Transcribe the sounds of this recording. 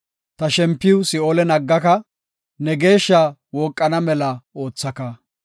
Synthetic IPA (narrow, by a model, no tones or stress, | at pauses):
t̪ɐʃɛmpːɪwʊsɪoːlɛnɐɡːɐkɐ | nɛɡe̞ːʃːawoːkʼːɐnɐmɛlɐo̞ːt͡sːɐkɐ